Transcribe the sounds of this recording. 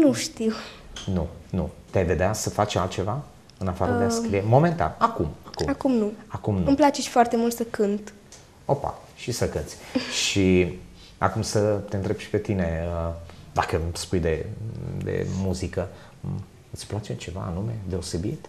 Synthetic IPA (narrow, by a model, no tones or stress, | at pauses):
nuʃt̪iwnunut̪eajve̞d̪easəfat͡ʃalt̪t͡ʃe̞va | ɨnafaɾəd̪easkɾie̞mo̞ment̪a̰nakumakumakumnuakumnuɨmplat͡ʃeʃfoart̪e̞mult̪səkɨnt̪ | opa̰ | ʃisəkɨnt̪sʲʃi | a̰kumsət̪eɨnt̪ɾebʃi̥pe̞t̪ine̞əd̪akəspujd̪e̞d̪ḛmuzikə | ɨt̪sʲplat͡ʃet͡ʃe̞va̰ːnume̞d̪e̞o̞se̞bit̪